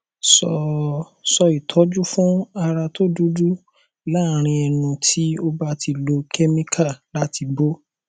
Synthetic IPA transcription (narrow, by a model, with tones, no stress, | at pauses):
sɔ˧ | sɔ˧i˨tʰɔ˨˦d͡ʒu˦fũ˦a˧ɾa˧to˦du˦du˦ | la˦˨ɾ̃ĩ˧ɛ˧nũ˧tʰi˦o˦ba˦tʰi˧lo˧kʰɛ˦mĩ˦kʰa˦˨la˦ti˧bo˦